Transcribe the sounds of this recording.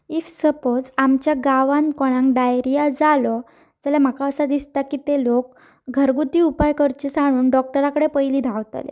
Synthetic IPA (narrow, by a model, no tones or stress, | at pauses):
ifsəpod͡zamt͡ɕjaɡaʋankɔɽ̃ãŋkɖajɾijad͡zalɔ | d͡zəljam̤akaəsad̪ist̪akit̪elok̚ | ɡʱəɾɡut̪iupajkəɾt͡ɕesaɽ̃uːnɖɔk̚ʈəɾakəɽepəjliːd̪ʱawt̪a̰lḛ